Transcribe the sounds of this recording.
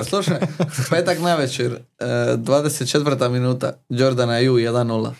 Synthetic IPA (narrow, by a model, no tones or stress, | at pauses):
slˠuʃajpet̪aknaʋɛt͡ʃɛɾd̪vad̪eset̪̚t͡ʃɛt̪vr̩t̪aminut̪a̰d͡ʒoɾd̪anajujɛd̪anːulˠa̰